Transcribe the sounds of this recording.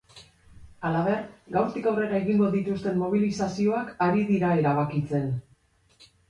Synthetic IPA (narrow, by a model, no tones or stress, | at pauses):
alaβe̞rɡawɾt̪ikawre̞ɾae̞ɣiŋɡo̞ðit̪ust̪e̞mːo̞β̞ilisasio̞akaɾiðiɾae̞ɾaβ̞akit͡se̞n